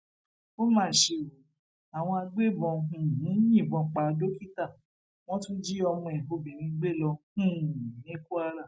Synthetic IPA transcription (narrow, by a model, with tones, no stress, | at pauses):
o˦mãː˦˨ʃe˧˨wo˨ | a˨w̃ɔ̃˧a˧ɡ͡be˦˨bɔ̃˧ũ˨nĩ˨˦jĩ˦˨bɔ̃˧k͡pa˨˧do˦ki˦ta˦˨ | w̃ɔ̃˦tũ˦d͡ʒi˦ɔ˧mɔ̃˧ɛ˨ɦo˧bĩ˨ɾ̃ĩ˧ɡ͡be˦˨lɔ˧ũ˦˨nĩ˦ku˦a˧ɾa˦˨